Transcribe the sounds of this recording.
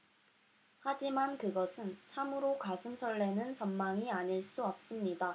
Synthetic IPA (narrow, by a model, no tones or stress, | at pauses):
had͡ʑimankɯɡʌsʰɯnt͡ɕʰamɯɾokasʰɯnsʰʌɭːe̞nɯnt͡ɕʌmmaŋiaɲiɭs͈uʌp̚s͈ɯmɲida